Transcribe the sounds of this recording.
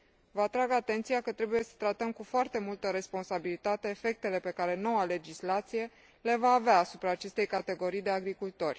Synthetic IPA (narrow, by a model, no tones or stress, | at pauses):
vəat̪ɾaɡat̪e̞nt̪sijakət̪ɾe̞buje̞sə̥t̪ɾat̪əmkufoart̪e̞mult̪əɾe̞spo̞nsabilit̪at̪e̞ːfe̞k̚t̪e̞le̞pe̞kaɾe̞no̞wale̞d͡ʒislat̪sije̞ | le̞vaːveaːsupɾaːt͡ʃe̞st̪e̞jkat̪e̞ɡo̞ɾijd̪e̞aɡɾikult̪o̞rʲ